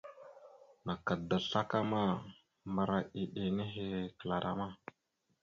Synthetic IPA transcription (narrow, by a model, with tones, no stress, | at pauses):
na˨ka˨da˨ɬa˦ka˦ma˦ | ma˨ɾa˦ʔi˨ɗe˨ne˦ɦe˦kə˨la˨ɾa̰˦ma˦